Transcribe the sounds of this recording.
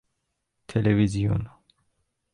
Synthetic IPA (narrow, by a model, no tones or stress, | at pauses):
t̪ʰelevizijo̰n